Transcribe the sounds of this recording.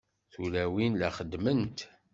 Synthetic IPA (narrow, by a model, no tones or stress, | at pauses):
θulæwinlæχəd̪mənt̪